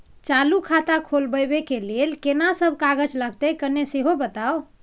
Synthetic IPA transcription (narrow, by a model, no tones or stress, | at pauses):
t͡ʃalukʰat̪akʰolbəjbekelelkenasəbʱkaɡəd͡ʒləɡ̚t̪ɛkənːeseɦobət̪ao